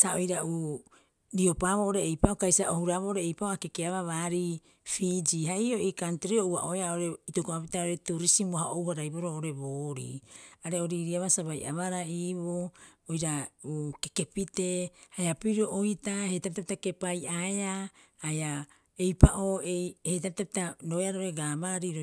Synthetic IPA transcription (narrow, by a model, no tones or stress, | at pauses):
saojɾauː | ɾio̞paβoːʔoɾeːjpaʔokajsaʔohuɾaβo̞ʔoɾeːjpaoakekeaβaβaːɾi | fid͡ʒiɦaioʔikantɾioua̰ʔoeaoɾeitokoapitaoɾetuɾisimohaowhaɾajboɾooɾe̞βoːɾḭaɾe̞o̞ɾiɾiaβasaβaja̰βaɾaiːβoojɾaukeke̞pite̞hajapiɾoʔojitahe̞jtapitapitake̞pajʔaeahaja | ejpaʔoejhejtapitapitaɾoeaɾaoɾe̞ɡaːmaɾiɾo